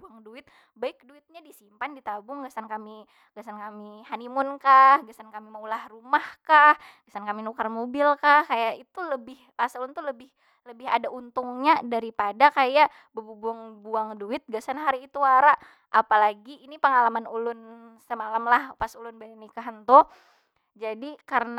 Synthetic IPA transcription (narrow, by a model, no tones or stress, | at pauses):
buaŋduɪt̪̚ | baɪk̚duɪt̪̚ɲadisimpandit̪abʊŋɡasankami | ɡasankamihanimʊnkahɡasankamimaulahrumahkah | ɡasankaminukarmobɪlkahkajaʔit̪uləbɪhpasulʊnt̪uləbɪh | ləbɪɦadaʔunt̪ʊŋɲadaɾipadakajaʔ | bəbubuaŋbuaŋduɪt̪̚ɡasanɦaɾiːt̪uaɾaʔ | ʔapalaɡiːnipəŋalamanulʊnsəmalamlahpasulʊnbanikaɦənt̪ɔ | d͡ʒadikarən